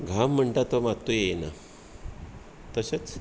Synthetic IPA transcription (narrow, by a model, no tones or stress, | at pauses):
ɡʱam̤ːəɳʈ̪at̪omat̪ːujena̰ | t̪əset͡s